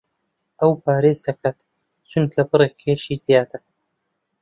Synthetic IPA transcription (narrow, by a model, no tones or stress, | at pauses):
ʔɐwpʰaːɾezd̪ɐkʰaːt̪ | t͡ʃʰʊnkʰɐbɨɾekʰːeʃizjaːt̪ʰɨɾ